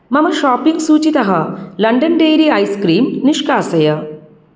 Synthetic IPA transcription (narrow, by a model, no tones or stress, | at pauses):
mɐmɐʃaːpːiŋɡsuːt͡ɕit̪ɐɦɐlɐɳɖɐnɖeːɾiɐjskɾiːmniʂkaːsɐjɐ